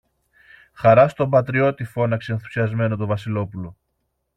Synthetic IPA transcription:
xɐɾɐst̪o̞bɐt̪ɾio̞t̪ifo̞nɐkseenθu̥siɐzme̞no̞t̪ovɐsilo̞pulo̞

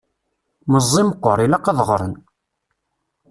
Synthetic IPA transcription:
məzˤːiməqːɔɾˤilɑqɑðˤʁɾˤə̰n

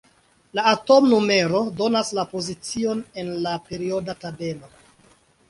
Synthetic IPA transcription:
laːto̞mnume̞ɾo̞do̞naslapo̞zit͡sio̞ne̞nlape̞ɾio̞databe̞no̞

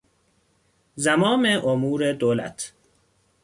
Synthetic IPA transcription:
zæmɒːmeʔomuːɾed̪oːlæ̰t̪ʰ

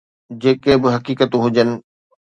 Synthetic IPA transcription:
d͡ʑeːkebɪɦɐkiːkət̪ũɦʊd͡ʑənɪ̆

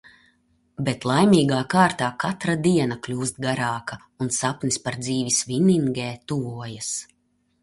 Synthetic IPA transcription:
bet̪lˠajmiːɡaːkaːɾt̪aːkat̪ɾad̪iɛnaklʲuːst̪̚ɡaɾaːka | unsapnispaɾd̪ziːvisviniŋɡeːt̪uvuɔjas

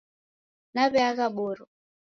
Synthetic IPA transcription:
naβɛaɣaɓɔɾɔ

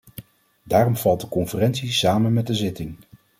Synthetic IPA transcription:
daːrɔmv̥ɑlˠt̚dəkɔnfərɛntsisaːmənmɛt̚dəzɪtɪŋ

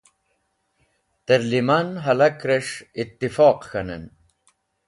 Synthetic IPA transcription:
t̪eɾlimanɦɐlakɾeʂit̪ːifɑːqxɐnḛn

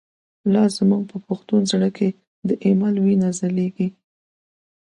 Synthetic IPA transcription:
lɑzəmuɡ̚pʰəpʊxt̪unzɽəke | d̪əʔemalwinazaleɡi

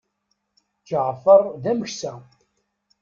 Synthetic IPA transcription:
t͡ʃəʕfəɾˤðæməçsæ

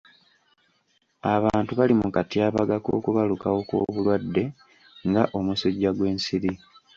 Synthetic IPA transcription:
aβaːntuβalimukatiaːβaɡako̞̰ːkuβalukawo̞kwo̰ːβulwadːe̞ | ŋɡaʔo̞musoɟːaɡwe̞ːnsiɾi

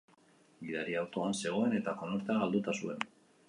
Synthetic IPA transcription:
biðaɾiawt̪o̞anse̞ɣ̞o̞e̞ne̞t̪ako̞noɾt̪eaɣald̪ut̪asue̞n

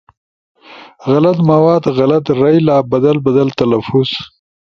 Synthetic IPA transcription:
ɣalat̪mawɑːd̪ɣalat̪ɾajlɑːbad̪albad̪alt̪alafʊz̥

